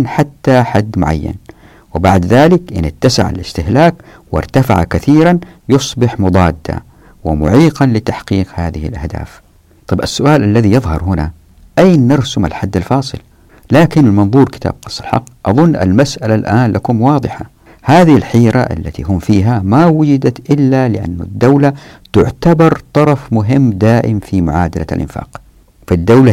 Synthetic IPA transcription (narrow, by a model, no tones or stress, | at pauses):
nħat̪ːaħad̪ːmʊ̰ʕa̰jːa̰n | wɪbaʕd̪ðaːlɪkʔɪnɪt̪ːasa̰ʕa̰lɪst̪ɪhlaːk | wɪ̰ɾˤt̪afa̰ʕa̰kaθiːɾanjʊsˤbɪħmʊd̪ˤɑːd̪ːa̰ | wɪmʊ̰ʕiːqɑnlɪt̪aħqiːqhaːðɪhɪ̰lʔahd̪a̰ːf | t̪ˤɑbʔasːʊʔaːlʔalːaðijɑðˤhɑ̰ɾˤhʊna̰ | ʔajnːɑɾsʊma̰lħad̪ːalfɑːsˤɨ̰l | laːkɪnlmɑnðˤuːɾkɪ̥t̪a̰ːb̚qɑsˤːɑlħɑ̰qːʔɑðˤʊnːʔa̰lmasʔalalʔaːnlʔakʊmwɑːðˤɨħa | haːðɪɪlħiːɾa̰ʔa̰lːat̪iɦʊmfiːɦamawʊd͡ʒɪd̪at̪ʔɪlːalɪʔa̰nːʊ̰d̪ːawlat̪ʊʕt̪abɑɾˤt̪ˤɑɾˤɑfmʊɦɪmːd̪aːʔɪmfimʊʕaːd̪ala̰lʔɪ̰nfa̰ːq | fad̪ːawla